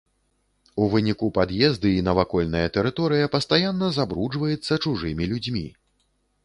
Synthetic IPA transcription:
uvɨnʲikupad̪jɛzd̪ɨinɐvakɔlʲnɐjɐt̪ɛɾɨt̪ɔɾɨjɐpɐst̪ajanːɐzabɾud͡ʐvɐjɛt̪sːɐt͡ʂuʐɨmʲilʲud͡zʲmʲḭ

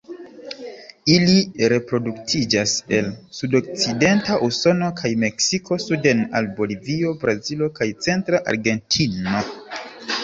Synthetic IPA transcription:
iliɾe̞pɾo̞duktʰid͡ʒase̞lsudo̞k̚t͡side̞ntaʔuso̞no̞kʰajme̞ksikʰo̞sude̞na̰lbo̞livio̞bɾazilo̞kajt͡se̞ntɾaʔa̰ɾɡe̞ntʰino̞

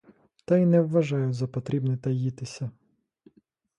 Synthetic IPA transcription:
t̪ɐinɛʋːɐʒɑjʊzɐpɔt̪ɾʲibnɪt̪ɐjit̪ɪsʲɐ

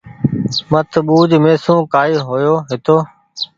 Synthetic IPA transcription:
mət̪ɓuːd͡ʒmeːsũːkaːiːɦoːjoːɦɪt̪oː

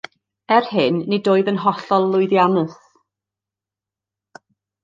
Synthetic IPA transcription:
ɛrhɪnːidoːɨðənɦɔɬɔlˠːʊɨðjanɨθ

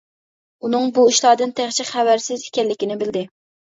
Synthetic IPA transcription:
unɨŋbuiʃlˠɑːd̪ɨnt̪ʰæχt͡ʃʰiχævæɾsɪzɪ̥kʲɛlːɪkʲinɪbɪld̪ɪ

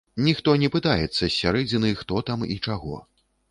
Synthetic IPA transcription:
nʲixt̪ɔnʲɛpɨt̪ajɛt̪sːɐsʲːaɾɛd͡zʲinɨjxt̪ɔt̪amḭt͡ʂaɣɔ̰

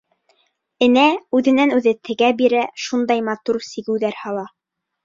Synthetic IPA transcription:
ɘ̆næʉðɘ̆nænʉðɘt̪ʰɘ̆ɡæbiɾæʃund̪ɑjmɑt̪uɾsiɡɘ̆wðæɾhɑlˠɑ

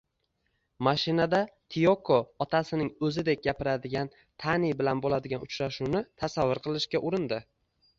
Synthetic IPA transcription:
maʃɪnad̪at̪ʰijokʰoɒt̪ʰasɪnɪŋɵzɪd̪e̞k̚ʲɡʲapɪɾad̪ɪɡʲan | t̪ʰanibɪlanbolad̪ɪɡʲanʊt͡ʃɾaʃunɪt̪ʰasavːʊɾqʰɨlˠɪʃkʲaʔʊɾɪnd̪ɪ

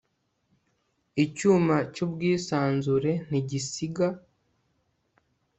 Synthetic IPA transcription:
icuːmacubɡiːsaːnzuɾe̞n̥iɟisiɡa

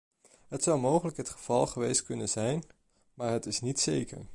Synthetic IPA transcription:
ɦətsʌwmowχələkɦətχəv̥ɑlˠχəʋejstkɵnənzɛjn | maːɹɦətɪsnitsejkə̰ɹ

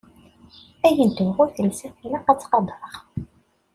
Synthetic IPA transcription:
æjənt̪əvʁʊɾθəlsæfilæqæt͡sːqɑd̪ˤəɾˤʁ

